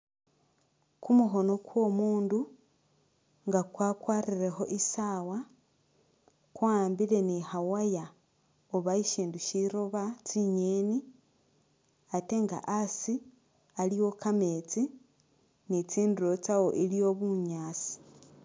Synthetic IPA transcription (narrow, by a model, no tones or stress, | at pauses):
kumuɦo̞no̞kwo̞ːmuːndu | ŋɡakwaːkwaːɾiɾe̞xo̞ʔisaːwa | kwaːmbile̞nihawaja | oβaiʃiːnduʃiɾoβat͡siɲeni | ate̞ŋɡa̰ʔasi | aliwo̞kame̞t͡si | nit͡siːnduɾo̞t͡sawo̞ʔilijo̞βuɲaːt͡si̥